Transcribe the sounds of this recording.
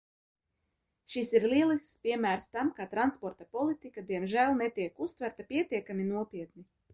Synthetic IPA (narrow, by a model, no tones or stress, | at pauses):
ʃisiɾliɛlˠispʲiɛmæːɾst̪amkat̪ɾanspɔɾt̪apɔlˠit̪ikad̪iɛmʒælˠnɛt̪iɛkust̪væɾt̪apiɛt̪iɛkaminuɔpʲiɛt̪ni